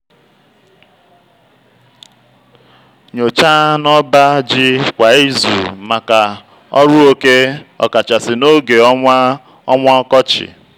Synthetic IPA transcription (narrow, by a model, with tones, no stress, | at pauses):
ɲo˨t͡ʃa˦nɔ˦ba˦d͡ʒɪ˦kʷa˨i˦zṵ˨ma˨ka˨ | ɔ˦ɾʊ˦o˦ke˦ɔ̰˨ka˨t͡ʃa˨sɪ˨no˦ɡe˨˦ | ɔ˦ŋʷa˦ɔ˦kɔ˦t͡ʃɪ̰˨